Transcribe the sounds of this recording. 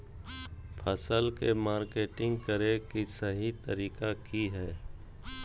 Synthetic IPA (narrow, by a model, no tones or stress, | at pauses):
pʰəsəlkemaːɾkeːʈɪ̃ŋɡkəɾekisəɦit̪ə̰ɾiːkakiɦɛː